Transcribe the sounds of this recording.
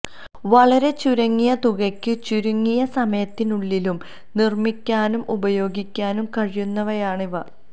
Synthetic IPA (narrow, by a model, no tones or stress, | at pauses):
ʋɐɭɐɾe̞t͡ɕuɾɐŋːijɐt̪uɣɐkʲːɨt͡ɕuɾuŋːijɐsɐmɐjɐt̪ːinuɭːilum | nirmikʲːaːnumʔubɐjo̞ːɡikʲːaːnumkɐɻijunːɐʋɐjaːɳiʋɐ